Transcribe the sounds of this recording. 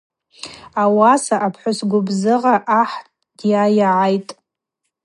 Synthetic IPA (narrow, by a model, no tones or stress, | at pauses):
awasaʔapʰħʷʊsɡʷʊbzɨʁaʔaħtʼd̥jajaʕajtʼ